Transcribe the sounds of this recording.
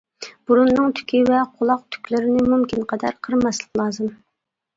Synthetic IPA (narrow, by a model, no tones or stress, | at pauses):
b̥uɾunːɨŋt̪ʰy̥kʲʰivɛqʰʊlˠɑq̚t̪ʰy̥kʲlɪɾɪnɪmumkʲinqɑd̪ɛɾqʰəɾmɑslˠəqlˠɑːzɨm